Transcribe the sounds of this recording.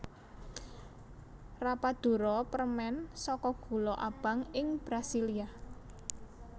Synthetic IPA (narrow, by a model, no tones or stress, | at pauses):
rapad̪̥ṳɾɔpərmɛnsɔkɔɡ̥ṳlɔʔab̥a̤ŋɪŋb̥ɾasilia